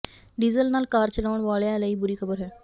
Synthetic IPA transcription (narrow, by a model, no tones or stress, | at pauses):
ɖiːzəlnaːlkaːɾt͡ʃəlaːʊɳ̃ʋaːlejãːləiːbʊɾiːkʰəbəɾɦɛː